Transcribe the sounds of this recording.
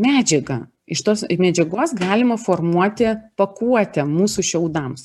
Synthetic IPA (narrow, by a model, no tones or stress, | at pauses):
mʲæːd͡ʒʲɛɡɐ | ɪʃt̪oːsmʲɛd͡ʒʲɛɡoːsɡɑːlʲɪmɐfoːrmuɔt̪ʲɪpɐkuɔt̪ʲɛmuːsuʃʲɛʊd̪ɐms